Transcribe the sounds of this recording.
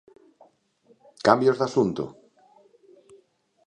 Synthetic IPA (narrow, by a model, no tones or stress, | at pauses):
kambjozðasunt̪ʊ̰